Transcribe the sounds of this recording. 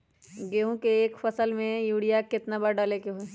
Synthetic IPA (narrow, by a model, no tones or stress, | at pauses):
ɡeːɦõkeːkfəsəlmẽjuːɽijakɪt̪nabəɾɖalekeɦoe